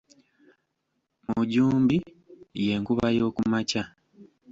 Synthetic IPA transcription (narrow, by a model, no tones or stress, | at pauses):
muɟuːmbi | je̞ːŋkuβajo̞ːkumaca